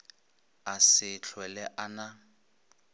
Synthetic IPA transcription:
asɪt͡ɬʰwɛlɛʔana

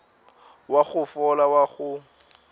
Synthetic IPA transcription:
waɣʊfɔlawaɣʊ

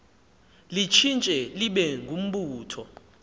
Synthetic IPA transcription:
lit͡ʃʰint͡ʃʼɛliɓɛŋɡʱum̩ɓuːtʰɔ

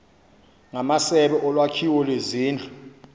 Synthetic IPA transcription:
ŋamasɛɓɛʔɔlwakʰiwɔlweziːnd͡ɮʱu

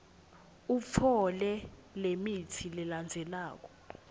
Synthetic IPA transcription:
ufʰɔlɛlemitʰilɛland͡zʱɛlaːk̬ɔ̥

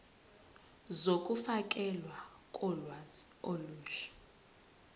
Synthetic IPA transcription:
zokʼufakʼɛlwa | kʼɔlwazi | oluːɬɛ̥

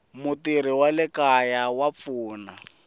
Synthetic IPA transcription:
mʊtiɾiwalɪkajawap̪fuːna

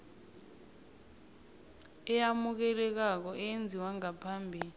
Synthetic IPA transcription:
ɛjamuk̬ɛlɛk̬ak̬ɔʔɛjend͡zʱiwaŋapʰambʱiːli

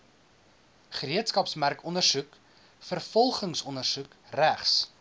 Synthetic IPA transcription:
χəɾiətskɐpsmærkɔnərsuk | fərfɔlˠχəŋsɔnərsuk | ræχs

